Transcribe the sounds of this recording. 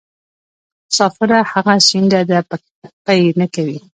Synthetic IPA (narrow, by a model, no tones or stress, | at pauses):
sɑfɪɾahaɣasind̪ad̪əpak̚t̪ak̚pajnakawi